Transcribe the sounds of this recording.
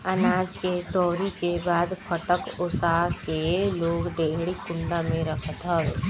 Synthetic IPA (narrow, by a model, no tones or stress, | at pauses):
ɐnaːd͡ʒket̪ɔːɾikebaːd̪fʰəʈəkʊsaɦkeloːɡɖeːɽikʊ̃ɳɖamẽɾɐkʰət̪ɦɛe